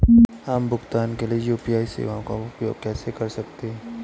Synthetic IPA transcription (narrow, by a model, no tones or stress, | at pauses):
ambʊɡt̪aːnkeliejuːpijaːisḛːʋaõka̰ʊpjo̰ːɡ̚kɛːsekɐɾsɐk̚t̪eɦɛ̃ː